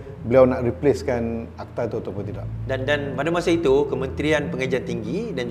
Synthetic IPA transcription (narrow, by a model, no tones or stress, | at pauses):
bəliawnaʔripleskanak̚t̪at̪uat̪apʊnt̪idaʔdandanpadamasait̪ukəmə̃nt̪ɾianpəŋad͡ʒant̪iŋɡidan